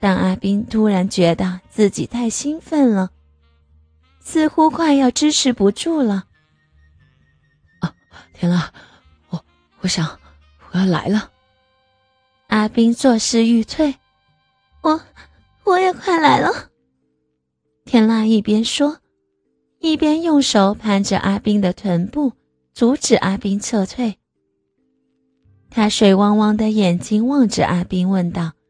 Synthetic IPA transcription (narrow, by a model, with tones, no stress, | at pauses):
t̪a˥˩ŋa˥˩pi˥ŋt̪ʰu˥ɻa˧˥nt͡ɕɥɛ˧˥t̪ə˧t͡sɹ̩˥˩t͡ɕi˨˩t̪ʰa˥˩ɪɕi˥nfə˥˩nlə˩ | sʰɹ̩˥˧xu˥kʰwa˥˧ɪjɑ˥˩ʊʈ͡ʂɻ̩˥ʈ͡ʂʰɻ̩˧˥pu˧˥ʈ͡ʂu˥˩lə˩˧˩ | t̪ʰjɛ˥nla˥˩ | wɔ˧˩ | wɔ˧˥ɕjɑ˨˩˦ŋ | wɔ˨˩jɑ˥˩ʊla̰˧˥ɪlə˧ | a˥pi˥ŋt͡swɔ˥˧ʂɻ̩˥˧y˥˧t͡sʰwe˥˩ɪ | wɔ˨˩ | wɔ˨˩jɛ˨˩kʰwa˥˩nla˧˥ɪlə˧ | t̪ʰjɛ˥nla˥˧i˥˩pjɛ˥nʂwɔ˥ | i˥˩pjɛ˥njʊ˥˩ŋʂo˧˥ʊpʰa˧˥nʈ͡ʂə̰˨˧˨ʔa˥pi˥ŋd̪ə˨t̪ʰwə˧˥npu˥˩ | t͡su˧˥ʈ͡ʂɻ̩˨˩ʔa˥pi˥ŋt͡sʰɤ˥˧t͡sʰwe˥˩ɪ | t̪ʰa˥ʂwe˨˩ɪwɑ˥ŋwɑ˥ŋd̪ə˨jɛ˨˩nt͡ɕi˥ŋwɑ˥˧ŋʈ͡ʂɻ̩̰˨˩ʔa˥pi˥ŋwə˥˧nt̪ɑ˥˩ʊ